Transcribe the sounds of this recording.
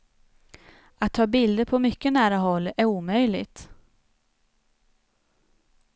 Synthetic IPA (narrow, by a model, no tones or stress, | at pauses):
at̪ʰːɑːbɪld̪əpʰɔmʏkːənæːɾaɦɔlːæɾuːmœjlɪ̰ɡt̪